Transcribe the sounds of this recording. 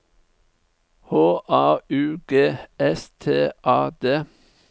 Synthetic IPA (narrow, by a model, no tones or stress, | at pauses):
hoːʔɑːʉːɡeːɛst̪ʰeːʔɑːd̪eː